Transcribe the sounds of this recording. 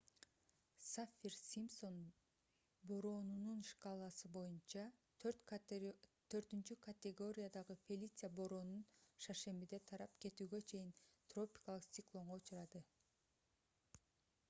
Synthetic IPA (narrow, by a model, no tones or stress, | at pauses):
safʲirsʲimso̞n | boɾonununʃkalˠɑsɯbo̞junt͡ʃɑt̪ʰɾt̪ | t̪ʰø̞ɾt̪ynt͡ʃykɐt̪ʲeɡo̞ɾʲɪjad̪ɑʁɯfʲelʲit̪sɨjaboɾo̞nunʃɑʃe̞mbid̪e̞t̪ʰɑɾɑpke̞t̪yːɡø̞t͡ʃʰe̞jint̪ro̞pʲi̥kɑlˠɯqsʲt̪ʲiɪklˠo̞ɴʁout͡ʃuɾɑd̪ɯ